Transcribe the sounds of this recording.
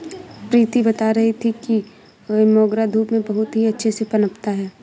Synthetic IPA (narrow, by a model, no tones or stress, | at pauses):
pɾiːt̪ibɐt̪aɾɐɦit̪ʰiki | mɔːɡɾad̪ʱuːpmẽbɐɦʊt̪ɦiɐtːʃʰesepɐnəpt̪aɦɛː